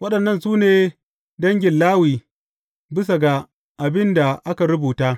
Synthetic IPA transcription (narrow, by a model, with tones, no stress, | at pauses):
wɐ˦ɗɐ˨nːɐ˦nsuː˦neː˨ | dɐ˦ŋɡʲɪ˨nlaː˦wiː˨ | bɪ˦s̬a˨ɡa˨ | ʔa˨bɪ˦nda˨ʔa˦ka˨ɾʊ˦buː˨taː˦